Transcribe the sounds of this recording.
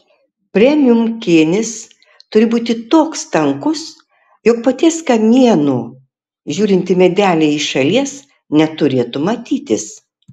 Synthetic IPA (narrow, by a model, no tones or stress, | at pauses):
pʲɾʲɛmʲɪjʊmkʲeːnʲɪs | t̪ʊɾʲɪbuːt̪ʲɪt̪oːkst̪ɐŋkʊs | jɔːk̚pɐt̪ʲiɛskɐmʲiɛnuː | ʒʲuːɾʲɪnʲt̪ʲɪmʲɛd̪ʲæːlʲeɪʃɐlʲiɛs | nʲɛt̪ʊɾʲeːt̪ʊmɐt̪ʲiːt̪ʲɪs